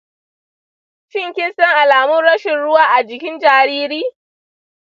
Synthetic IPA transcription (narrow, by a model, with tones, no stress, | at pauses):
ʃɪ˦˨ŋkʲɪ˦nsɐ˦ŋʔa˨laː˨mʊ˦nɽɐ˦ʃɪ˨nɽʊ˦waː˦ʔa˨d͡ʒɪ˨kʲɪ˦nd͡ʒaː˨ɾiː˦ɾiː˦